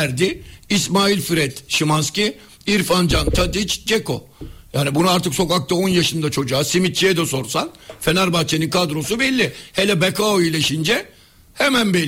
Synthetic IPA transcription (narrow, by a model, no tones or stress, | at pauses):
ɾd̪iːsmaːilʲfiɾɛt̪ʃimanscʲi | iɾfand͡ʒant̪ʰad̪it͡ʃd͡ʒeko̞ | jaːnibunuaɾt̪ʰɯkso̞kak̚t̪ʰao̞njaʃɯnd̪at͡ʃʰo̞d͡ʒuaːsimit̪̚t͡ʃiɛd̪ɛso̞ɾsanfenaɾbat͡ʃʰeninkʰad̪ɾo̞subɛlʲːihelʲɛbɛkʰaoilʲeʃind͡ʒɛ | hɛmænbɛl